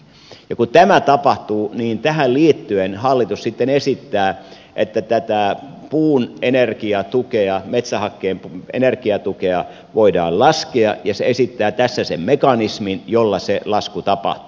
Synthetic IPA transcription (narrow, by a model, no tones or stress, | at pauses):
jɑkut̪æmæt̪ɑpɑht̪uːniːnt̪æhælliːt̪ːyenhɑlːit̪ussit̪ːenesit̪ːæː | ʔet̪ːæt̪æt̪æːpuːnenerkiɑt̪ukeɑmet̪sæhɑkːeːmpḛnerkiɑt̪ukeɑ | ʋoidɑ̰ːllɑskeɑ̰jɑseesit̪ːæːt̪æsːæsemmekɑnisminjolːɑselɑskut̪ɑpɑ̰ht̪u̥